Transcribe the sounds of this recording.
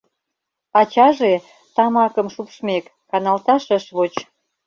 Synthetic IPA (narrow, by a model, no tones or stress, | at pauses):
ɑt͡ɕɑʒe | t̪ɑmɑkəmʃupʃmekːɑnɑlt̪ɑʃəʃβot͡ɕ